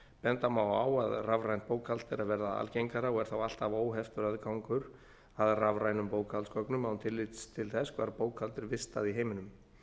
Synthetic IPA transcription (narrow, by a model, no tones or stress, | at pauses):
pɛnt̪amawa̰ːwaðravɾajn̚poːwkʰalt̪ɪɾaðvɛɾðaa̰lcejŋkaɾaɔɣɛɾ̥θawal̥t̪avoːwɦɛft̪ʏɾaðkawŋkʏɾ | aðravɾajnʏmpoːwkʰalskɔknʏmawnt̪ʰɪlːɪt̪st̪ʰɪlθɛskʰvaɾpoːwkʰhalt̪ɪɾvɪst̪aðiɦeːjmɪnʏm